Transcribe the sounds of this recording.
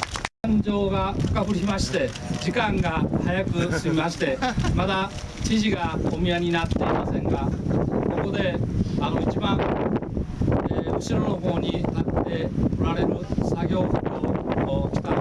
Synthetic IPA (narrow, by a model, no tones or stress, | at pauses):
kãɲd͡ʑoːɡakḁkabɯɾʲimaɕi̥t̪e̞ | d͡ʑikãŋɡahajakɯ̟sɨmʲimaɕi̥t̪e̞mad̪at͡ɕiʑiɡaomijaɲ̟inat̪ːe̞imasẽ̞ŋɡako̞ko̞d̪e̞anoit͡ɕibãŋ | eɯ̟ɕiɾo̞no̞ɦo̞ːɲ̟it̪at̪ːe̞oɾaɾe̞ɾɯ̟saɡʲo̞ːkokʲi̥t̪a